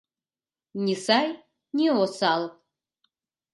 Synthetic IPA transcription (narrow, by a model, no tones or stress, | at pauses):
nʲisaj | nʲiosalˠ